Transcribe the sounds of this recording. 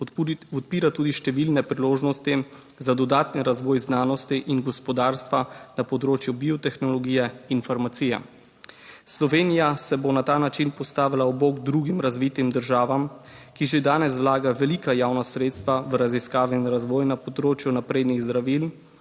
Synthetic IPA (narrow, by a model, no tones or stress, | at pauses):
ɔt̪̚piːɾat̪uːd̪iʃt̪ɛʋilnɛpɾiloːʒnɔst̪i | zad̪ɔd̪aːt̪niɾazʋɔːjznaːnɔst̪iʔinɡɔspɔd̪aːɾst̪ʋanapɔd̪ɾoːt͡ʃjubiɔt̪ɛxnɔlɔɡiːjɛinfaɾmat̪siːjɛ̰ | slɔʋeːnijasɛbonat̪aːnat͡ʃinpɔst̪aːʋilaɔboːɡd̪ɾuɡimɾazʋit̪imd̪əɾʒaːʋam | kiʒed̪aːnɛs̬wlaːɡaʋɛliːkajaːwnasɾeːt̪st̪ʋaʋɾaziskaːʋɛinɾazʋɔːjnapɔd̪ɾoːt͡ʃjunapɾeːd̪niɣzd̪ɾaʋil